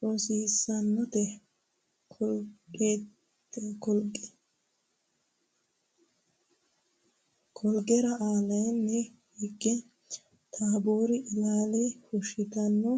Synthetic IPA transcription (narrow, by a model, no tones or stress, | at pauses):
ʔoːsiːsːɐnːɔt̪ɛ | kʰɔlɡkʼeː | ɛkɔlɡɛ̥ | kʰɔlɡɛɾɐʔaːlɐjnːɛ | hɪɡːɛ | t̪ʰaːbuːɾɪʔɪlaːlɪhʊʃɪt̪ɐnːɔ